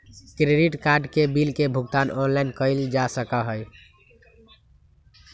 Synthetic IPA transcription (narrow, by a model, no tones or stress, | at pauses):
kɾeɖiʈkaɾɖkebilkebʱuɡ̚t̪anɔnlajnkəɪld͡ʒasəkəɦəj